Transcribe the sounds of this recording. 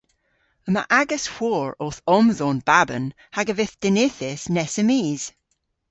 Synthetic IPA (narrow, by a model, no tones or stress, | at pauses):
əma̰ʔaɡəsw̥ɔːɹoθɔmzɔnb̥abə̰n | haɡəvɪθd̥ɪnɪθɪsnɛsəmiːz̥